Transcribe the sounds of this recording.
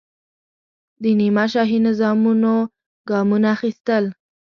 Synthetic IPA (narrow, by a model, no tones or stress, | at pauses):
d̪ənimaʃɑɦinɪzɑmuno | ɡɑmunaːxist̪əl